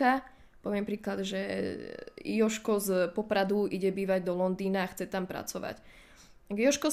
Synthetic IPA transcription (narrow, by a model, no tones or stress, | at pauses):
a | pɔʋɪɛmpɾiːklad̪ʒɛ | jɔʃkɔzpɔpɾad̪uiɟɛbiːʋaɟd̪ɔlɔnd̪iːnaːxt͡sɛt̪ampɾa̰t͡sɔʋa̰c̪ | aɡjɔʃkɔ